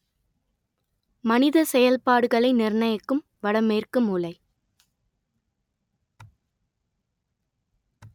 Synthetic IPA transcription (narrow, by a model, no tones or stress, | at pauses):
mɐnɪðɐsɛjɐlpaːɽɯɣɐɭɐɪnɪrɳɐjɐkːɯm | ʋɐɽɐmeːrkɯmuːlɐɪ